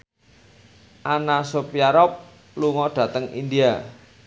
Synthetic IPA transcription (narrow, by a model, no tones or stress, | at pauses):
ʔanasopjaɾɔp̚ | luŋɔɖ̥ä̤t̪əŋḭnd̪ia